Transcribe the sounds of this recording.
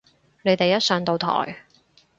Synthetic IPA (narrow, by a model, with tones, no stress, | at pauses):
ne˨˧jt̪e˨jɐ˥t̚sœː˨˧ŋt̪o˨˧wt̪ʰɔ̰ː˨˩j